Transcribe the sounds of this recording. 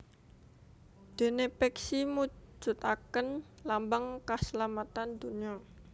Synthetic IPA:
d̪̥e̤nepɛksimu̥d͡ʒ̥ʊ̤t̪akən | lambaŋkasəlamat̪and̪uniɔ

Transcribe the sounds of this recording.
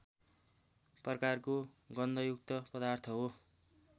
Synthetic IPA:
prʌkarko | ɡʌnd̪ʱʌjuk̚t̪ʌpʌd̪art̪ʰʌɦo

